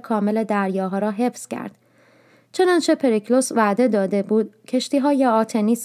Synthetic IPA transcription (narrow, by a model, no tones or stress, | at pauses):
kʰɒːme̞le̞d̪æɾjɒːɦɒːɾɒːɦe̞fscʰæ̰ɾd̪̥ | t͡ʃʰe̞nɒnt͡ʃʰe̞pʰe̞ɾiklo̞svæd̪e̞d̪ɒːd̪e̞buːd̪̥̚cʰe̞ʃt̪iːɦɒːje̞ɒːt̪ʰe̞niːs